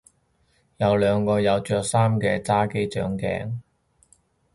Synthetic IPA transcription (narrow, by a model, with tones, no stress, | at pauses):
jɐ˨˧wlœː˨˧ŋkɔː˧jɐ˨˧wt͡ʃœː˧k̚saː˥mkɛː˧t͡saː˥ke˥jt͡ʃœ̰ː˨˥ŋkɛ̰ː˨˧ŋ